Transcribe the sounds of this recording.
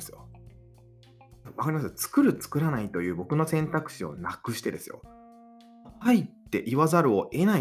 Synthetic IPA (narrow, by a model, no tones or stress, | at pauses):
sɨjo̰ | βakaɾʲimasɨt͡sɨ̥kɯ̟ɾɯ̟t͡sɨ̥kɯ̟ɾanait̪o̞jɯ̟ːbo̞kɯ̟no̞sẽ̞nt̪akɯ̟̥ɕio̞̰nakɯ̟ɕi̥t̪e̞d̪e̞̰sɨ̰jo̞̰ | hait̪ːe̞̰ʔiβazaɾɯ̟o̞ʔe̞nai